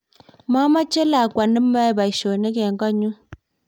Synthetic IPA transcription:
ma˦ma˦t͡ʃe˦la˨kwa˨nə˦mːa˦e˦˨ba˨i˨ʃo˨ne˦ke˨ŋɡɔ˦ɲu˦

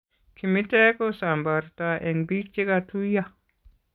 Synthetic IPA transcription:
kʰi˨mi˦te˦ko˦sa˨mba˨ɾta˨ʔe˨nbi˦ɾt͡ʃi˦katu˦ja˦

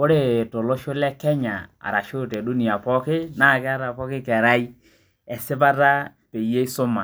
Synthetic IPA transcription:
kʊ˦ɾe˨to˨lo˦ʃʊ˦lɛ˦kɛ˦ɲa̰˨a̰˨ɾa˨ʃo˦˨tɛ˨du˦ni˨a˨pɔ˦kɪ˦na˦˨kɪ˦a˦ɾa˨pɔ˦kɪ˦kɛ˨ɾa˦i˦ | ɛ˨sɪ˦p̬a˦ta˦ | pe˨je˦i˦sʊ˦ma˨

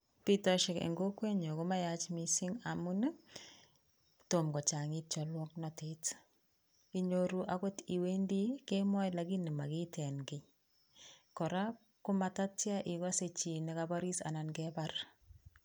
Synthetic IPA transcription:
pi˦tɔ˦ʃɛ˨kḛ˨ŋɡo˦kwe˦ɲo˨kʊ˦ma˦jat͡ʃmi˨sɪ˦ŋa˨mʊ˦n˦ | to˨mɡɔ˨t͡ʃa˨ŋɪ˦t̚t͡ʃɔ˨lwɔ˦k̚nɔ˨tet | i˦ɲoɾu˦ʔa˦ko˦ti˨we˦ndi˦ke˦mɔ˦jla˨ɡi˦nɪ˨ma˨kɪ˦tʰɛ˨nɡɪ˨ | kɔ˨ɾa˦ | kʊ˦ma˨ta˦tja˦ʔɪ˨kɔ˦se˨t͡ʃi˨nɪ˨ka˦ba˦ɾi˦sa̰˨na˨nɡɛ˦bar

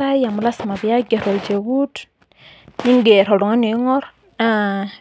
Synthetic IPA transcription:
a˦ja˨mu˨la˦sma˨bi˨ja˦ɡe˨ɾɔ˨ld͡ʒe˨ɡu˦t | ni˦ŋɡe˨ɾɔ˨du˨ŋa˦ni˨˦ŋɔ˦ɾ | a˦

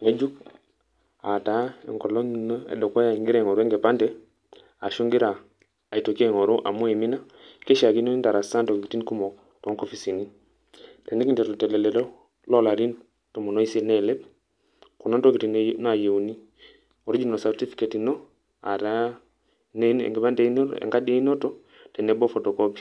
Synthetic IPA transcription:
ŋɛ˦d͡ʒu˦k | a˨ta˨˦ɛ̰˨ŋkɔ˨lɔ˦ŋno˦ɛ̰˨dɔ˨kɔ˦ja˨ŋɡi˦ɾɛ˨ŋɔ˨ɾu˦ɛ˦ŋɡɛ˨pa˦ndɛ˦ | a˨ʃu˦ŋɡi˦ɾaː˨ | i˨to˨ki˦ɛ˦˨ŋɔ˨ɾo˦ʔa˨mu˦ɛ˨mi˦na˦ | kɛ˦ʃa˨ki˦no˦i˦nta˨ɾa˨sa˦ntɔ˨kki˨ti˦nku˦mɔ˨ | tɔ˨˦ŋkɔ˦fi˨si˨ni˦ | tɛ˨nɛ˦ki˨ntɛ˨ɾɔ˨tɛ˨lɛ˨lɛ˨ɾɔ˦ | lɔ˦la˨ɾi˦n | tɔ˨mɔ˨nɔ˦i˦se˦nɛ˦˨lɛ˦b | kɔ˨na˦ntɔ˦ki˨ti˨nna˨je˨u˨ni˦ | ɔ˨ɾi˦d͡ʒi˦nɔ˨sa˨ɾti˦fi̥˦kɛ˨ti˨nɔ˦ | a̰˨ɾa˦ | n˦nɛ̰˨ŋɡɛ˨ba˦ndɛ˨i˦nɔ̰˦ɛ̰˨ŋɡa˦dɛ˦i˦nɔ˦tɔ˦ | tɛ˨nɛ˨˦bɔ˦fɔ˨tɔ˨kɔ˦pi̥˨

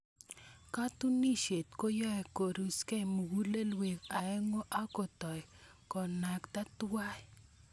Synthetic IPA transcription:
ka˦t̪u˦ni˦ʃe˨t̪ko˦jɔ˦ɛ˨ko˨ɾu˨skɛ˦mu˨wu˦le˦lwe˨ka˨ɛ˦ŋo˦ʔa˦ko˨t̪ɔ˨j | kɔ˨na˨kt̪a˦twa˦ɛ˦

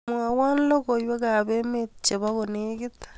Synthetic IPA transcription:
mwa˨waː˦nlo˦kojwe˦ka˨βe˦met͡ʃe˨βa˦ɣo˨neki˦tḁ

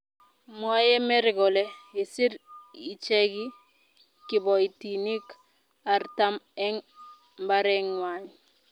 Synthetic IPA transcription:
mwa˦je˦me˦ɾɪ˨ɡɔ˨le˦i˨si˦ɾi˨t͡ʃe˦ɡi˦ | kɪ˨bɔ˨i˨ti˨ni˦k | a˨ɾta˦mɛ˦ŋ | mba˦ɾɛ˦ŋwa˨ɲ

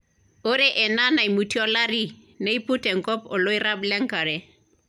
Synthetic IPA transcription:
o˦ɾɛ˦ʔɛ˨na˦na˨i˨mu˨ti˦ɔ˦la˦ɾi˦ | ne˦i˦pu˦tɛ˨ŋ̩˨kɔ˦pɔ˨lo˦i˦ɾa˦blɛ˦ŋka˨ɾɛ˨

